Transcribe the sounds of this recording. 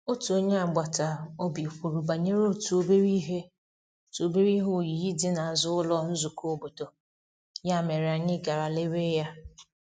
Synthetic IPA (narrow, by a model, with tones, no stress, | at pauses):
o˦tu˨o˦ɲe˦a˨ɡ͡ba˨ta˨o˦bi˨ɸʷu˨ɾu˨ba˨ɲe˦ɾo˦˨tu˨o˦be˦ɾi˦ɦe˦˨ | to˨be˦ɾi˦ɦʊ˦˨ji˨˦dɪ˦na˨a˨zʊ˦ʊ˦lɔ˦n̩˦zu˨ko˦bo˨to˨ | ja˦˨me˨ɾɪ˨a˨ɲɪ˦ɡa˨ɾa˨le˦we˦ja˦